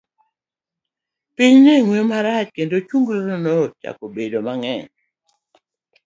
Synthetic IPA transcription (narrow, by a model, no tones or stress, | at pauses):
piɲnɛŋwemaɾat͡ʃkendot͡ʃuŋɡloɾnot͡ʃa̰kobedomaŋɛɲ